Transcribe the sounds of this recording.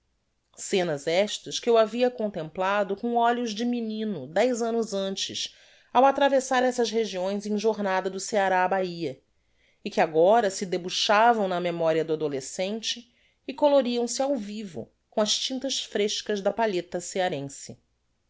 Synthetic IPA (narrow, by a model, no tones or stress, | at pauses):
sẽnɐzɛʃt̪ɐʃkɪwaviɐkõnt̪ẽmplad̪ʊkõɔʎʊʒd͡ʒɪminĩnʊd̪ɛjzɐ̃nʊzɐ̃nt͡ʃɪ̰s | awat̪ɾavesaɾɛsɐzɦeʒiõj̃zẽj̃ʒoɾnad̪ɐd̪ʊseaɾaːbaiɐ | ɪkɪaɡɔɾɐsɪd̪ebuʃavɐ̃w̃nɐmemɔɾiɐd̪ʊad̪olesẽnt͡ʃɪː | koloɾiɐ̃w̃sɪawvivʊ̰ | kõɐʃt͡ʃĩnt̪ɐʃfɾeʃkɐzd̪ɐpaʎet̪ɐseaɾẽsɪ